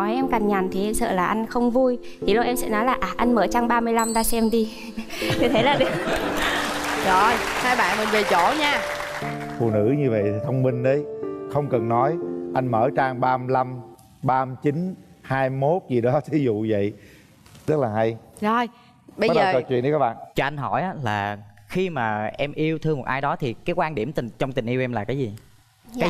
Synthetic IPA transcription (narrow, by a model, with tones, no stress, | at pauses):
ɔ˨˦jʔɛ˧mka˨˩ŋɲa˨˩nt̪ʰi˨˩ʔɛ˧msə̰ː˧˨laː˨˩ʔa˧jŋ̟xə˧wŋ͡mvu˧j | t̪ʰi˨˩lo˧˩ʔɛ˧msɛ̰˧˥nɔ˨˦jlaː˨˩ʔaː˨˩ʔa˧jnməː˧˨˩t͡ɕaː˧ŋɓaː˧mɨ˧əjla˧mɗa̰ː˧˥sɛ˧mɗi˧ | ɲɨ˧t̪ʰe˨˦laː˨˩ɗɨ˨˩ | zo˨˩jhaː˧jɓa̰ː˧˨nmɨ˨˩nve˨˩t͡ɕo˧˩˦ɲaː˧ | fṵ˧˨nɨ̰˧˥ɲɨ˧və̰˧˨jtʰi˨˩t̪ʰə˧wŋ͡mmï˧ŋ̟ɗə˨˦jxə˧wŋ͡mkə˨˩nːɔ˨˦jʔa˧jŋməː˧˩t͡ɕaː˧ŋɓaː˧mla˧m | ɓaː˧t͡ɕi˨˦n | haː˧jmo˦˥t̚zi˨˩ɗɔ˨˦t̪ʰi˨˦zṵ˧˨və̰˧˨j | t̪ə˦˥laː˨˩ɦa˧jzo˨˩j | ɓə˧˦zɗəː˨˩kəː˨˩t͡ɕwḭ˧˨ənʔi˧kaː˦˥ɓa̰ː˧˨t͡ɕɔ˧ʔa˧jŋ̟ɦɔ˧˩jʔaː˨˦laː˨˩xi˧maː˨˩ʔɛ˧mʔi˧əwt̪ʰɨ˧əmo˨˩t̚ʔaː˧jɗɔ˨˦t̪ʰi˨˩kaː˨˦jkwaː˧nɗi˧˩əmt̪i˨˩ŋt͡ɕɔ˧wŋ͡mt̪ï˨˩ŋ̟ʔi˧wʔɛ˧mlaː˨˩kaː˨˦jzi˨˩ | aː˨˦